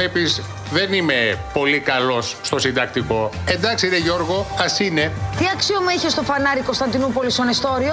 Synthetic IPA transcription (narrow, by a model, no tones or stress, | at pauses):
epiz | ðe̞nime̞po̞likɐlo̞sːt̪o̞sind̪ɐk̚t̪iko̞e̞nd̪ɐksiiɾeʝo̞ɾɣo̞ɐsine̞t̪iɐksiomuiçest̪o̞fɐnɐɾikost̪ɐnd̪inupo̞list̪onest̪o̞ɾio